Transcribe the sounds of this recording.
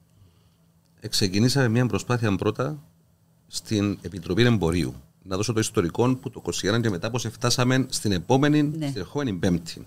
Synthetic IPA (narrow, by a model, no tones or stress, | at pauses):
e̞kse̞cinisɐmemɲɐmbɾo̞spɐθiɐmbɾo̞t̪ɐ | st̪ine̞pit̪ɾo̞pine̞mbo̞ɾiṵ | nɐðo̞so̞t̪oist̪o̞ɾiko̞nput̪o̞kosienɐɲce̞me̞t̪ɐpose̞ft̪ɐsɐme̞nst̪inepo̞me̞ninstt̪ineɾxo̞me̞nimbe̞mt̪ʰin